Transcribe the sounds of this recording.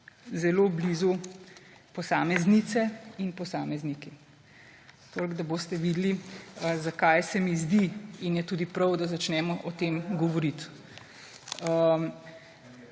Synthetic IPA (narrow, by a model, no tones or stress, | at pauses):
zɛloːbliːzu | pɔsaːmɛznit̪sɛinpɔsaːmɛzniki | t̪olɡd̪aboːst̪ɛʋiːd̪lizakajsɛmizd̪iinjɛt̪uːd̪ipɾɐwd̪azat͡ʃnɛːmɔʔɔt̪eːmɡɔʋɔɾit̪ | ə